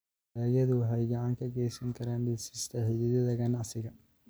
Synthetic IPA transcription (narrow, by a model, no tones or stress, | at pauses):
ɐːjɐðʊɦɛjɡɐʕaːŋkʰɐɡɛːjsɐŋkʰɐɾaːnɗisɪst̪ʰɐhɪðɪðɐðɐɣɐnɐsɪɣɐ